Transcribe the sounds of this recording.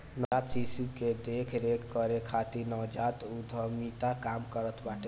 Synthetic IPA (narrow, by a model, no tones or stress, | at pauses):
nat̪sisuked̪ekʰɾekʰkəɾekʰat̪inɔwd͡ʒat̪ud̪ʱəmit̪akamkəɾət̪ʰbaʈe